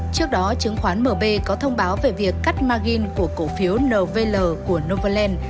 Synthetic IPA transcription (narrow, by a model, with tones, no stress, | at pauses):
t͡ɕɨ˦˥ək̚ɗɔ˨˦t͡ɕɨ˨˦ŋxwaː˨˦nməː˨˩ɓe˧kɔ˨˦t̪ʰə˧wŋ͡mɓaː˨˦wve˨˩vi˨˩əkːa˦˥jk̚maː˧ɣi˧nku˧˩əko˧˩fi˨˦əwnəː˨˩ve˧ləː˨˩ku˧˩əno˧və˧lɛ˧n